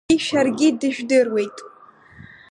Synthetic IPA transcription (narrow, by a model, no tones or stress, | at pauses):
iʃarɡʲɪdɨʒᶣdɨrwe̞jtʼ